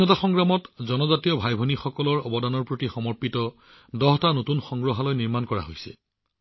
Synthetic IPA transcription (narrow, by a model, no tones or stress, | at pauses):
ɔtaxɔŋɡɹamɔtzɔnɔzatijɔbʱajbʱɔnixɔkɔlɔɹɔbɔdanɔɹpɹotixɔmɔɹpitɔ | dɔɦtanotunxɔŋɡɹɔɦalɔjniɹmankɔɹa̰ɦojsɛ̰